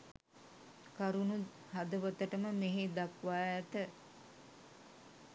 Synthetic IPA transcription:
kaɾunu | had̪əʋət̪əʈəməmeɦed̪akʋaːjæt̪ə

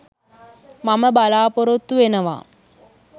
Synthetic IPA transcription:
maməbalaːpoɾot̪ːuʋenəʋa̰

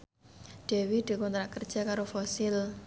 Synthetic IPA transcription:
ɖ̪̥e̤wid̪̥i̤kɔnt̪ɾaʔkərd̥ʒ̥a̤kaɾofɔsɪl

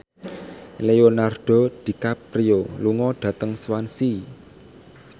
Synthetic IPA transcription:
leonarɖ̥ɔ̤d̪̥i̤kapɾioluŋɔɖ̥ä̤t̪əŋswansi

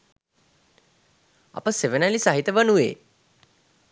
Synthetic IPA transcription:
a̰pəseʋənalisaɦit̪əʋənuʋḛː

